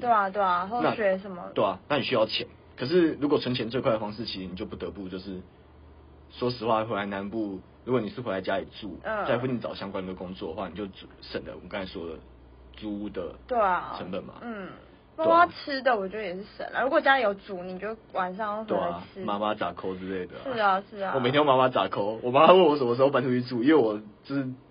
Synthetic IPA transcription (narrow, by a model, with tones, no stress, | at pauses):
t̪we˥˩ɪa˨t̪we˥˩ɪa˩ɦo˥˧ʊa˥ɕɥɛ˧˥ʂə˨˦nmə̰˧we˥˩a˨˩na˥˩ni˨˩ɕy˧˥jɑ˥˩ʊt͡ɕʰjɛ˨˩˦n | kʰɤ˨˩ʂ̬ɻ̩˥˩ɻu˧˥kɔ˨˩t͡sʰwə˧˥ŋt͡ɕʰjɛ˧˥nt͡swe˥˧kʰa˥˩ɪə˩fɑ˥ŋʂɻ̩˥˩t͡ɕʰi˧˥ʂɻ̩˧ni˨˩t͡ɕjo˥˧ʊpu˥˩t̪ə˧˦pu˥˧t͡ɕjo˥˧ʊʂɻ̩˥˩ | ʂwɔ˥ʂ̬ɻ̩˧˥xwa˥˩˥xwe˧ɪla˧˥ɪna˧˦npu˥˩ | ɻu˧˥kwɔ˨˩ni˨˩ʂɻ̩˥˩xwe˧˥la˧ɪt͡ɕja˦˥li˨˩t͡su˥˨˩t͡sa˥˧ɪfu˥˧nni˧˩t͡sɑ˨˩ʊɕjɑ˥ŋkwa˥ni˨ɡə˩kʊ˥ŋt͡swɔ˥˩d̪ə˩xwa˥˨ni˨˩t͡ɕjo˥˩ʊt͡su˨˩ʂə˨˩nlə̰˨ə˨˩kɑ˥ŋʰa˨˩ʂwɔ˥lə̰˩ | t͡su˥u˥˩d̪ə˩t̪we˥˩ɪ˩ə˧˦nbə˨˩nma̰˨n̩˥˩ | ma˥ma˥t͡s̩ʰ˥d̪ə˨wɔ˨˩t͡ɕɥd̪ə˧jɛ˨˩ʂ̬ɻ̩˥˩ʂə̰˨˩nlə̰˨˩ɻu˧˥kwɔ˨˩t͡ɕja˥li˨˩jo˧˩ʊt͡su˨˩ni˨˩t͡ɕo˥˩wa˨˩nʂɑ˥˧ŋjo˥˩xwe˥˩˨a˩˥ma˦ma˦t͡sa̰˨˩kʰo˧˥ʊt͡sɹ̩˥le˥˩ɪd̪ə˩ʂɻ̩˥˩ə˩ʂɻ̩˥˩ɔ˨me˨t̪ʰj̃jo˥˩ma˥ma˥t͡sa˨˩kʰo˥ʊwɔ˨ma˦˥ma˧˥wə˥˩nwɔ˦˩s̬ə˨˦˧o˥˧˩pa˥nʈ͡ʂʰu˥i˧˥t͡su˥˩i˥nwe˥˩wɔ˨˩ʈ͡ʂ̩˥˩